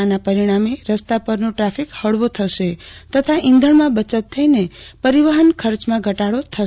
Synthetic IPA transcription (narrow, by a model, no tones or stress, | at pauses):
anapəɾiɽ̃ameɾəst̪apəɾnoʈɾapʰikhəɽʋot̪ʰəʃet̪ət̪ʰaʔĩnd̪ʱəɳmãbət͡ʃət̪ʰːəinepəɾiʋəɦənkʰəɾt͡ʃmãɡʱəʈaɽot̪ʰə